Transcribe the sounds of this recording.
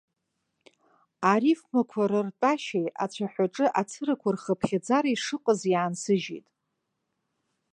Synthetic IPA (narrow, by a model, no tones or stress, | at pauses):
aɾifmakʷʰaɾɨrtʼaʃeja̰t͡ɕʷʰaħʷᶣaʈ͡ʂʼɨʔat͡sʰɨɾakʷʰarχəpʰχʲad͡zaɾiʂɨqʼəziaansɨʒḭjtʼ